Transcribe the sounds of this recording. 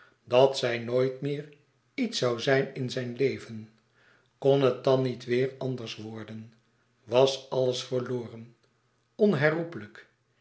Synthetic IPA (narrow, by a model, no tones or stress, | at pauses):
dɑtsɛjnoːjtmɪːɹ | itsɑwzɛjnɪnzɛjnlejvən | konɦət̚dɑnːitʋɪːɹɑndəɹsʋɔɹdən | ʋɑsɑləsfəɹlʊːrən | ɔnɦɛrupələk